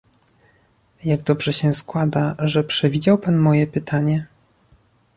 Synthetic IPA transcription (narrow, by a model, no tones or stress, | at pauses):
jaɡd̪ɔbʐɛɕɛskwad̪aʐɛpʂɛvʲid͡ʑawpanmɔjɛpɘt̪ʰaɲɛ